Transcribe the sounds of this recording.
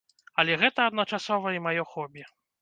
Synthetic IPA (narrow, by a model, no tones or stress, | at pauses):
ɐlʲɛɣɛt̪ɐːd̪nɐt͡ʂasɔvɐimajɔxɔbʲjɛ